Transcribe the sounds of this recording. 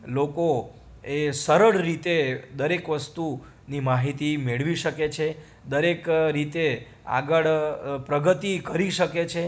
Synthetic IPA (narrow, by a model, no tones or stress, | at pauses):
loko | esəɾəɽɾit̪ed̪əɾekʋəst̪u | nimaɦit̪imeɭʋiʃəket͡ʃʰe | d̪əɾekɾit̪e | a̰ɡəɭpɾəɡət̪ikəɾiʃəket͡ʃʰe